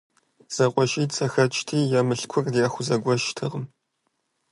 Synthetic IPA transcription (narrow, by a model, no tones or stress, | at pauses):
z̥ɐqʷʼɔʃiːt͡sʼɐxɐt͡ʃʰʼtʰiːjamɨɬkʷʰʊrdiaːxʷʊzɐɡʷɔʃtʰɨʁəm